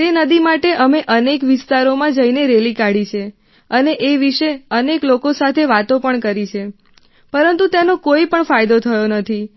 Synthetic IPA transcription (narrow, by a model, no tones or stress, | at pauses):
t̪enəd̪imaʈeʔəmeʔənekʋɪst̪aɾomãd͡ʒəineɾelikaɽit͡ʃʰe | əneʔeʋiʃeəneklokosat̪ʰeʋat̪opəɳkəɾit͡ʃʰe | pəɾənt̪ut̪anokoipəɳfajd̪ot̪ʰəjonət̪ʰi